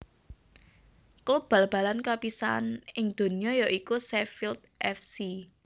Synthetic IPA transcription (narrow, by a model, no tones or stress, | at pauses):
klub̥ä̤lb̥ä̤lankapisa̰nɪŋd̪̥o̤nijɔjɔʔikusɛfilt̪̚ʔɛfsi